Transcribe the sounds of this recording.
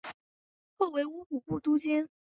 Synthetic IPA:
xo˥˩ʊwe˧˥ɪu˥pu˨˩pu˥˩t̪u˥t͡ɕjɛ˥n

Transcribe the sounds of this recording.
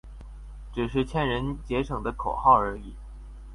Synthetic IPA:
ʈ͡ʂɻ̩˨˩ʂ̬ɻ̩˥˩t͡ɕʰjɛ˥˩nɻə˧˥nt͡ɕjɛ˧˥ʂɤ˨˩ŋd̪ə˦kʰo˨˩ʊxɑ˥˩ʊə˞˧˥i˨˩˦

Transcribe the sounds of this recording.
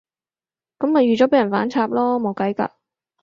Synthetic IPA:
kɐ˨˥mkɐ˨˧jɥyː˨t͡sɔː˨˥pe˨˥jɐ˨˩nfaː˨˥nt͡sʰaː˧p̚lɔː˥mo˨˧wkɐ˨˥jka̰ː˧

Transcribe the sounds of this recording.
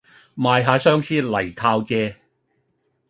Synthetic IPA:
maː˨˧jɦaː˨˥sœː˥ŋt͡sʰiː˥lɐ˨˩jt̪ʰaː˧wkɛː˧

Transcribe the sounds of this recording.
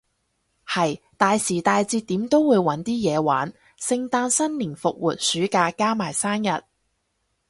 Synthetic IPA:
hɐ˨j | t̪aː˨jsiː˨˩t̪aː˨jt͡siː˧tt̪iː˨˥mt̪o˥wwuː˨˧jwɐ˨˥nt̪iː˥jɛː˨˧waː˨˥n | sɪ˧ŋt̪aː˧nsɐ˥nliː˨˩nfʊ˨k̚wṵː˨t̚syː˨˥kaː˧kaː˥maː˨˩jsaː˥mjɐ˨t̚

